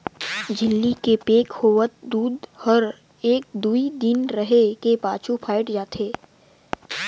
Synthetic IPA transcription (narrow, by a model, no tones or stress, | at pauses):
d͡ʒɪlːikepeːkhoːʋət̪̚d̪uːd̪həɾ | eːk̚d̪uːid̪ɪnɾəɦekepaːt͡ʃupʰaːɪʈd͡ʒaːt̪ʰeː